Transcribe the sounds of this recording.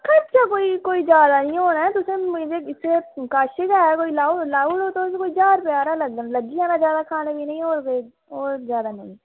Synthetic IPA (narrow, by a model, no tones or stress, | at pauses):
kɐt͡ʃakoːikoːid͡ʒjaːd̪aniɦoːnaɦɛt̪ʊsemʊd͡ʒeɪsekaːʃekaɦɛkoːilaːlaːʊɽot̪osekoːid͡ʒaːɾpeaːɾalɐɡlɐɡiaːnazjaːd̪akʰaːnebʱinɐɦĩoːɾe | oːɾzjaːd̪anɐɦĩ